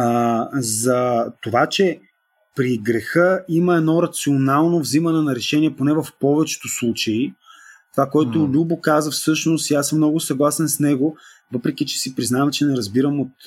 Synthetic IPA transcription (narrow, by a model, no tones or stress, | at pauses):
zɐt̪ovat͡ʃɛ | pɾiɡɾɛxɤiməɛd̪nɔɾɐt̪sionalˠnovzimɐnɛnɐɾɛʃɛniɛponɛvɐfpɔvɛt͡ʃɛ̥t̪oslˠut͡ʃɐit̪ovakoɛtlʊlʲubokazəfsɤʃnost̪iasmːnɔɡʊsɐɡlˠasɛnsnɛɡo | vɤpɾɛkit͡ʃɛ̥sipɾiznavɐmt͡ʃɛnɛɾɐzbiɾəmot̪